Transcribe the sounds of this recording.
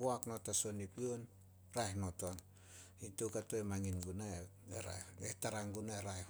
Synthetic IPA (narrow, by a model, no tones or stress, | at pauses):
oaknotaso̞nipion | ɾaehnoton | intokatoemaŋinɡunae | eɾa̰etaɾaŋɡunaeɾae